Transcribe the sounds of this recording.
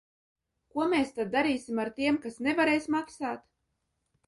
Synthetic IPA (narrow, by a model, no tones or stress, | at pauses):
kuɔmeːst̪ad̪̚ːaɾiːsimaɾt̪iɛmkasnɛvaɾɛjsmaksaːt̪